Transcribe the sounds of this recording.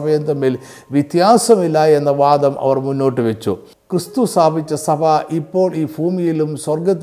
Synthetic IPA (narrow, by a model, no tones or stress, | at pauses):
bʱɐjend̪ɐmːil | ʋit̪jaːsɐmilːae̞nːɐʋaːd̪ɐmʔɐ̰ʋɐrmunːo̞ːʈːɨʋet͡ɕːṵ | krɨst̪ust̪aːbʱit͡ɕːɐsɐbʱɐʔipːo̞ːɭiːbʱuːmijilumswɐrɡɐt̪ː